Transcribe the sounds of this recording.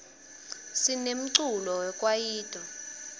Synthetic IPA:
sinem̩ǀulɔwɛkʼwajiːtʼɔ

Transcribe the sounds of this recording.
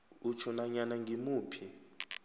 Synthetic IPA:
ut͡ʃʰɔnaɲanaŋɡʱimuːpʰi

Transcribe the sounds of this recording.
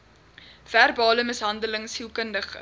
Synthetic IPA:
v̥ærbɑːləməsɦɐndələŋshilˠkəndəχə

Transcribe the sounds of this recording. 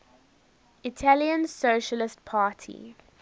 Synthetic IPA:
ɪtʰæliə̃nsoːʃəlɪstpʰaːtʰḭ

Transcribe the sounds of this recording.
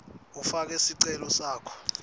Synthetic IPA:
ufak̬ɛsiǀɛlɔsaːkʰɔ̥

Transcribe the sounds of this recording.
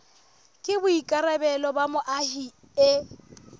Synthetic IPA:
kʼɪbʊikʼaɾɛbɛlɔbamʊʔahi | ɪ

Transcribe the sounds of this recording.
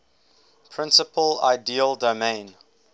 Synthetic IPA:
pʰɹɪ̃nsəpəla̰ɪdiːəlˠdomẽɪ̃n

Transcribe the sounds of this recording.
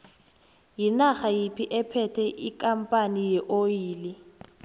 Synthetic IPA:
jinaχajipʰiʔɛpʰɛtʰɛʔikʼam̩pʼanijɛʔojiːli

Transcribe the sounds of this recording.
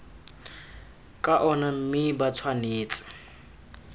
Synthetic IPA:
kʼaʔɔnam̩mɪbat͡sʰwaneːt͡sʼḁ

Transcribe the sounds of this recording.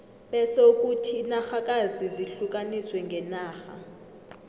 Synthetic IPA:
ɓɛsɛuk̬ʼutʰinaxak̬ʼaziziɬuk̬ʼaniswɛŋɡʱɛnaːxa̰

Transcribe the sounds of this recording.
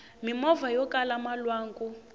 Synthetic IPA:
mimɔvajɔkalamalwaːŋɡu

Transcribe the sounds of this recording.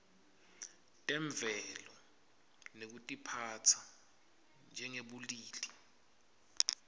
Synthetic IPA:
tʼɛɱb̪vʱɛlɔ | nek̬utʼipʰat͡sʰa | nd͡ʒʱɛŋeɓuliːli

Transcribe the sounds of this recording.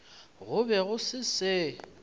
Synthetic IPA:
ɣʊbɛɣʊsɪsɪ

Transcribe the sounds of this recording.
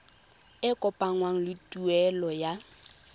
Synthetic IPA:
ɪkʼɔpʼaŋwaŋ̩lɪtʼuɛlɔja

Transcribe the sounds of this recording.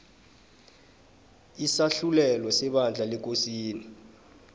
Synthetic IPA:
isaɬulɛlwɔsɛɓand͡ɮʱalɛk̬ʼosiːni

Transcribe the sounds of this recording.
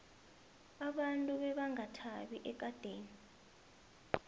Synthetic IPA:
aɓantʼuɓɛɓaŋatʰaɓiʔɛk̬ʼad̥ʱeːni

